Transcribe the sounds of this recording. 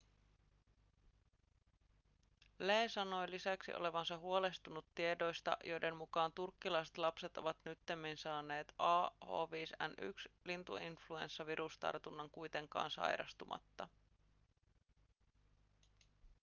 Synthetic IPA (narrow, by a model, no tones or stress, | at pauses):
leːsɑno̞jlisæksḭʔo̞̰le̞ʋɑnsɑɦuo̞le̞st̪unut̪ːie̞do̞jst̪ɑ̰ʔjo̞jde̞nmukɑːnt̪urkːilɑjse̥t̪lɑpse̞t̪o̞ʋɑt̪nyt̪ːemːinsɑːnːe̞ːt̪ɑːho̰ːʋiːsæ̰nʔy̰kslint̪ṵinflue̞̰nsːɑʋiɾʔust̪ɑ̰rt̪unːɑŋkujt̪e̞ŋkɑ̰ːnsɑ̰jɾɑ̰st̪umʔɑ̰t̪ːɑ